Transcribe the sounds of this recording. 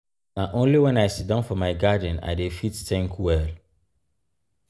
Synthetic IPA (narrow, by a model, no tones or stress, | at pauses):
naʔõnliwɛ̃naɪsitdãnfɔmaɪɡadə̃na̰ɪdefittɛ̃ŋkʰwɛl